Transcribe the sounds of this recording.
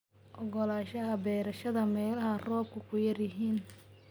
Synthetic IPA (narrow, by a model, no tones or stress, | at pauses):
ʔɔɣɔlaːʃɐɦɐbɛːɾɐʃɐðɐmɛːlɐɦɐrɔːb̚kʰʊkʰʊjɐrjɪɦiːn